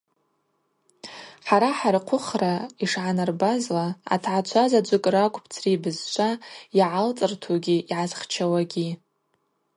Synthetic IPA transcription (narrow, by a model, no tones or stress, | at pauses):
ħaɾaħarqʷʰʊχraiʂʕanarbazlaa̰tʰʕat͡ʃʷʰazad͡ʒʷɨkʼrakʷʼpʰt͡sʰribɨzt͡ʃʷʰajaʕalt͡sʼɨrtʰuɡʲiʔiʕazχt͡ʃʰawaɡʲi